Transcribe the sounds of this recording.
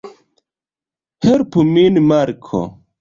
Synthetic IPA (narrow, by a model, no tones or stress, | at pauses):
hɛɾpuminmaɾkʰo̰